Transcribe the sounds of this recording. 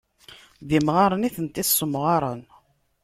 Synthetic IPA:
ðimʁaɾˤəniθənt̪iθsːəmʁɑɾˤən

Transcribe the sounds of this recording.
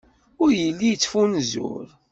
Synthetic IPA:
ʊɾjəlːijət͡sːfunzʊ̰ɾ

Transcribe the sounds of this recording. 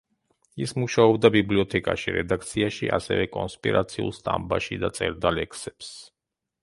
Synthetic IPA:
ismuʃaɔbd̪abibliɔt̪ʰɛkʼaʃiɾɛd̪ak̚ʰt̪sʰiaʃiʔasɛvɛkʼɔnspʼiɾat̪sʰiulˠst̪ʼambaʃid̪at̪sʼɛ̰ɾd̪alɛkʰsɛps

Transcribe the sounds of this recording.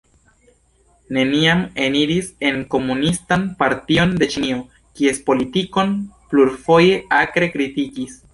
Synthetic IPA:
ne̞niame̞niɾise̞nko̞munistanpaɾtio̞nde̞t͡ʃinio | kie̞spo̞litiko̞npluɾfo̞je̞ʔakɾe̞kɾitikis

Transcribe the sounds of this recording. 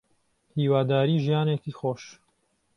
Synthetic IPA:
hiːwaːd̪aːɾiːʒijaːnekiːxoːʃ

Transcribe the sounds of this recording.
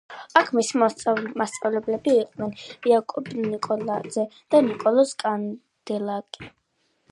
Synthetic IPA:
akʰmisimast̪sʼavlɛblɛbiːqʼnɛniakʼɔbnikʼɔlad̪zɛd̪̥anikʼɔlˠɔskʼan | d̪̥ɛlakʼi̥

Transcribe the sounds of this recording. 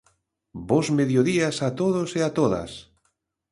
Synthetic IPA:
bozmeðjoðiasat̪oðoseat̪oðɐ̰s

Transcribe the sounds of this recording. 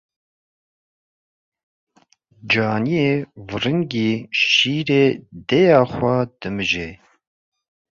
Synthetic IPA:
d͡ʒɑːnijeːvɨrɨŋɡiːʃiːɾeːd̪ɛjɑːxʷad̪̥ɨmɨʒeː

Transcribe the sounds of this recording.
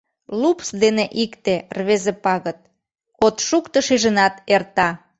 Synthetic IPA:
lupsd̪eneʔikt̪erβezepɑɣət̪̚ | ot̪ʃukt̪ɤʃiʒə̆nɑt̪ert̪ɑ

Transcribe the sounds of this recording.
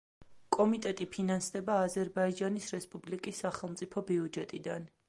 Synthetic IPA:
kʼɔmit̪ʼɛt̪ʼipʰinansd̪ɛbaːzɛɾbaid͡ʒanisɾɛspʼublikʼisːaχɛlˠmt̪sʼipʰɔbiud͡ʒɛt̪ʼid̪an

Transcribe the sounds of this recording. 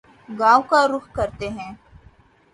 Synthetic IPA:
ɡaːwkaːɾʊxkɐɾt̪eɦɛ̃ː

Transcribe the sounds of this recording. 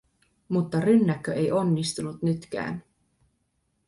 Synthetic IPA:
mut̪ːɑrynːækːøʔe̞jo̞nːist̪unut̪nyt̪k̟æ̰ːn

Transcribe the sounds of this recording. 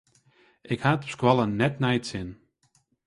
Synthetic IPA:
ʔɪkhatpskwɔlˠənːɛtnɛjtsɪn

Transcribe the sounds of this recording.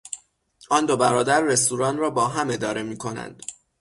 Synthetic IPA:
ɒːnd̪o̞bæɾɒːd̪æɾːe̞st̪uːɾɒːnrɒːbɒːɦæme̞d̪ɒːɾe̞miːkʰo̞næ̰nd̪̥

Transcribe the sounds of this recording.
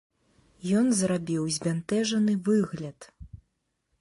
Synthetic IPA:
jɔnzrabʲiwzʲvʲant̪ɛʐɐnɨvɨɣlʲɐt̪

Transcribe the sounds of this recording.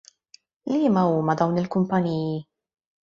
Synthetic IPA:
liːmɐuːmɐd̪ɐwnɪlkʊmpɐniːji

